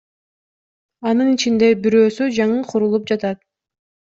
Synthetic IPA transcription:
ɑnɯnit͡ʃind̪e̞biɾøːsyd͡ʒɑɴɯqʰuɾulˠup̚d͡ʒɑt̪ɑt̪̚

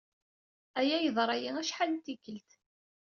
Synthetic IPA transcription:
æjæjəðˤɾˤɑjiæʃħalt̪ːikːəlt̪

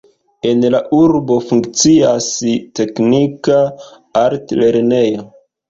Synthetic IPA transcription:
e̞nlaʔuɾbo̞fuŋkt͡siaste̞knika | aɾtle̞ɾnejo

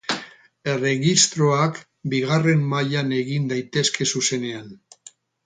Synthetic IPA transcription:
e̞re̞ɣist̪ɾo̞ak | biɣ̞are̞mːaʎane̞ɣind̪ajt̪e̞ske̞suse̞ne̞an

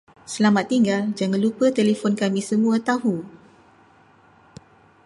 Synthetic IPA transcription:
səlamat̪ːiŋɡald͡ʒaŋãnlupət̪elefɔnkamĩsəmũat̪ahu

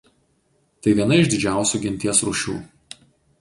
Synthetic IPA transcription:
t̪ɐɪʋʲiɛnɐɪʒd̪ʲɪd͡ʒʲæˑʊsʲuːˑɡʲɪnʲt̪ʲiɛsɾuʃʲṵː

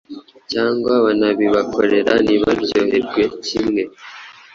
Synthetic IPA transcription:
caːŋɡwaβanaβiβakʰo̞ɾe̞ɾa̰niβaβjoːhe̞ɾɡwe̞cimŋe̞

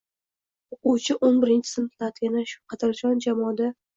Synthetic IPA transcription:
oquwt͡ʃʰɪʔonbɪɾɪnt͡ʃʰɪ̥sɪnt̪lat̪ɪɡʲanaʃʊ̥qʰɑd̪ɪɾd͡ʒɒnd͡ʒamɒd̪a

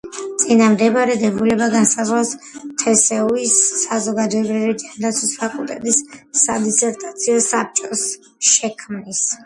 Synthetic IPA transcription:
t̪sʼinamd̪ɛbaɾɛd̪ɛbulɛbaɡansazʁlas | t̪ʰɛsɛuisːazɔɡad̪ɔɛbɾivid͡ʒand̪at̪sʰwispʰakʼulˠt̪ʼɛt̪ʼisːad̪isɛɾt̪ʼat̪sʰiɔsap̚t͡ʃʼɔs | ʃɛkʰmnis

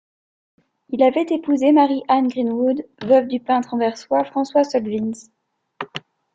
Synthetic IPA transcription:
ilavɛt̪epuzemaʁiʔanɡʁinwud̪vœvd̪ypɛ̃t̪χɑ̃vɛʁswafχɑ̃swasɔlvins

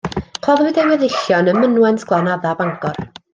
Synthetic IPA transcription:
kʰɔðwɪdɛnɛðɪɬjɔnəmənwɛntʰɡ̥lˠanaðabaŋkɔr

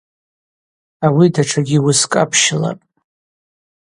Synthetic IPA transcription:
awidaʈ͡ʂʰaɡʲiwʊskʼapʰʃɪla̰pʼ

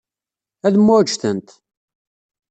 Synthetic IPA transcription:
æðmːʊd͡ʒθənt̪

